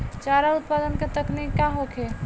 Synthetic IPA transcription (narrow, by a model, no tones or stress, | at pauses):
t͡ʃaɾaut̪pad̪ənket̪əknikːaɦokʰe